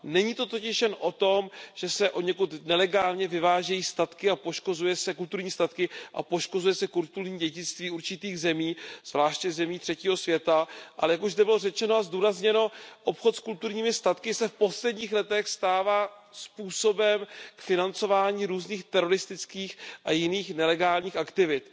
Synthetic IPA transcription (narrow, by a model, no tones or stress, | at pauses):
nɛɲiːt̪o̞t̪o̞cɪʃjɛnʔo̞t̪o̞mʒ̥ɛsɛʔo̞ɲɛkut̪nɛlɛɡaːlɲɛvɪvaːʒɛjiːst̪at̪kɪapo̞ʃko̞zujɛsɛkult̪uɾɲiːst̪at̪kɪʔa̰po̞ʃko̞zujɛsɛkult̪uɾɲiːɟɛɟɪt͡st̪viːuɾt͡ʃɪt̪iːɣzɛmiːz̥vlaːʃcɛzɛmiːt̪r̥ɛciːɦo̞svjɛt̪aʔalɛjakuʒzd̪ɛbɪlorɛt͡ʃɛnoazduːɾazɲɛno̞ʔo̞pxo̞t̪skult̪uɾɲiːmɪst̪at̪kɪsɛfpo̞slɛdɲiːxlɛt̪ɛxst̪aːvaː | spuːsobɛmkfɪnant͡so̞vaːɲiːɾuːzniːxt̪ɛɾo̞ɾɪst̪ɪt͡skiːxʔajɪniːxnɛlɛɡaːlɲiːxakt̪ɪvɪt̪